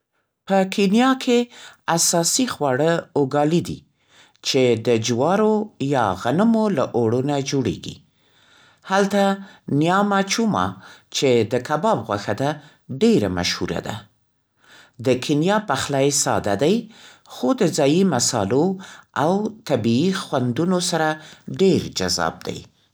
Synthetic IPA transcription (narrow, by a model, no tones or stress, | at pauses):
pəkʰenjɑkʰeasɑsixwɑɽəoɡɑlid̪ḭ | t͡ʃed̪əd͡ʒwɑɾojɑɣanəmolaʔoɽunad͡ʒoɽḛɡḭ | halt̪anijɑmat͡ʃumɑ̰t͡ʃed̪əkabɑbɣwaxad̪a | ɖeɾama̰ʃhṵɾa̰d̪a̰ | d̪əkʰinjɑpaxlajsɑ̰d̪ad̪ajxod̪əd͡zɑjimasɑ̰loawt̪abiːxwand̪unosaɾaɖeɾd͡ʒazɑ̰b̚d̪a̰j